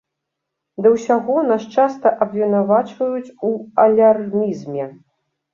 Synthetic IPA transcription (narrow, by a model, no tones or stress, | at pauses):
d̪ɐwsʲaɣɔnaʂt͡ʂast̪ɐʔɐbvʲɛnavat͡ʂvɐjut͡sʲuɐlʲarmʲizmʲɛ